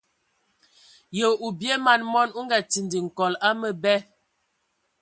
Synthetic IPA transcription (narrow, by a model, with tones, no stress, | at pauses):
jə˨u˨bje˦ma˨nmɔ˦nu˦ŋɡa˨ti˨ndi˨ŋ̩˨kɔ˨la˦mə˦bɛ˦